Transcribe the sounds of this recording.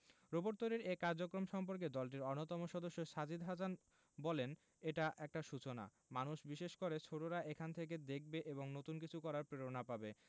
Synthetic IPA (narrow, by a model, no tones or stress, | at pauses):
ɾoboɾt̪oɾeɾekaɾd͡ʑokɾomʃɔmpoɾk̬ed̪ɔlʈ̬iɾɔɾnot̪ɔmoʃɔd̪oʃːoʃad͡ʑid̪ɦasan | bɔlen | eʈaʔɛk̚ʈaʃut͡ɕona̰ | manuʃbiʃeʃkoɾet͡ɕʰoʈoɾaʔekʰant̪ʰek̬ed̪ek̚ʰbeʔeboŋnot̪unkit͡ɕʰukɔɾaɾpɾeɾonapabe